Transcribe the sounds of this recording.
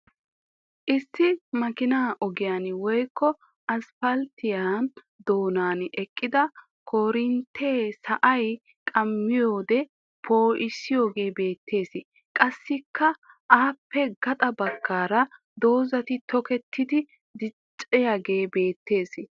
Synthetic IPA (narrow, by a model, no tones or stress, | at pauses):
ʔɪsːɪmɐkɪnaːʔɔɡɪjanwɔjkːɔ | ɐsfɐlt̪ɪjan | d̪o̞ːnaːnʔɛkʼːɪd̪ɐ | kʰo̞ːɾɪnt̪ʰe̞ːsɐʔɐj | kʼɐmːɪjo̞ːd̪ɛ | pʰo̞ːʔɪsːɪjo̞ːɡe̞ːbe̞ːt̪ʰːe̞ːsɪ | kʼɐsːɪkːɐ | ʔaːpːɛɡɐt̪ʼɐbɐkʰːaːɾɐ | d̪o̞ːzɐt̪ɪt̪ɔkɛt̪ʰːɪd̪ɪ | d̪ɪt͡ʃʼːɛjaɡe̞ːbe̞ːt̪ːe̞ːs